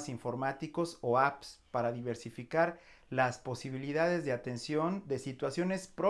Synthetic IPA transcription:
siɱfo̞ɾmat̪iko̞soapspaɾaðiβ̞e̞ɾsifikaɾ | laspo̞siβiliðaðe̞zðe̞at̪e̞nsjo̞nd̪e̞sit̪wasjo̞ne̞spɾo

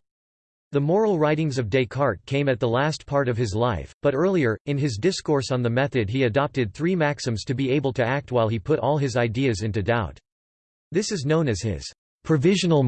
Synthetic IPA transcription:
ðəmɔɹl̩ˠɹaɪɾɪ̃ŋzʌvdeɪkʰɑɹt̚kʰẽɪ̃mɨt̪̚ðəlæspʰɑɹɾʌv̥ɨzlaɪfb̥ʌɾɜ˞lˠiə˞ɨ̃nɨzdɪskɔɹsn̩ðəmɛθɨd̚iɨdɑp̚tɨd̪̚θɹimæksɨ̃mz̥tʰɨbieɪbl̩ˠtʰɨæk̚t̚waɪlˠipʰʊɾʔɔlˠɨzaɪdiɨzɪ̃ntʉdaʊt̪̚ | ðɪsɨznõʊ̃nɨz̥ɪ̰z̥ | pʰɹ̥ɨvɪʒɨnl̩ˠ

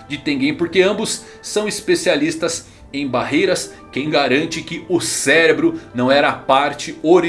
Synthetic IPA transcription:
d͡ʒɪt̪ẽɡẽj̃poɾkeɐ̃mbʊsː | ɐ̃w̃ispesialist̪ɐs | ẽj̃baɦejɾɐs | kẽj̃ɡaɾɐ̃nt͡ʃɪkɪʊsɛɾebɾʊnɐ̃w̃ɛɾɐːpaɾt͡ʃɪoɾ

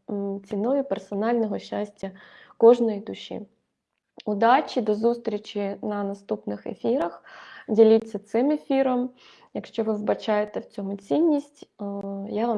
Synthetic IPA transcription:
t͡sʲinɔjʊpɛrsɔnɑlʲnɔɦɔʃːasʲtʲːɐkɔʐnɔjid̪ʊʃʲḭ | ud̪ɑt͡ʃʲid̪ɔzust̪ɾʲit͡ʃʲinɐnɐst̪upnɪxḛfʲiɾɐxdʲilʲit͡sʲːɐt̪sɪmefʲiɾɔm | jɐkʃt͡ʃɔʋɪwbɐt͡ʃajet̪ɛwt͡sʲɔmʊt͡sʲinʲːisʲtʲjaʋa

